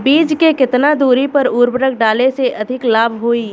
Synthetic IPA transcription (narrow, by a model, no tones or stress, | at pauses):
biːd͡ʒkekɪt̪nad̪uːɾipɐɾuːɾbɾək̚ʰɖaːleseʔɐd̪ʱɪklaːbʱɦoiː